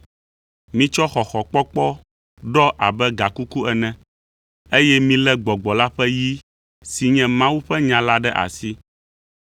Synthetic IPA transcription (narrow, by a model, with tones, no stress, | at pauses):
mĩ˦t͡ʃɔ˦xɔ˨xɔ˨k͡pɔ˦k͡pɔ˦ | ɖɔ˦ʔa˨bɛ˦ɡa˨ku˦ku˦ɛ˨nɛ̃˦ | e˦jɛ˦mĩ˦lɛ˦ɡ͡bɔ˨ɡ͡bɔ˨la˦ɸɛ˦ji˦ | si˨ɲɛ̃˦mã˦wu˦ɸɛ˦ɲã˨la˦ɖɛ˦ʔa̰˨si˦